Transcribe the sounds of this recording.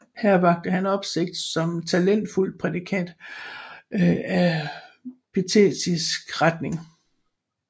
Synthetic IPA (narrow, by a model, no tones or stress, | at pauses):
hæɐ̰ʋɑ̈ɡ̥̚d̥əhænɒ̽b̥se̝ɡ̥̚d̥sɒ̽mt͡sʰælen̰d̥ful̰̥̚pʰʁɛd̥ikʰæn̰d̥ | æ | pʰit͡sʰḛsisɡ̥ʁad̥ne̝ŋ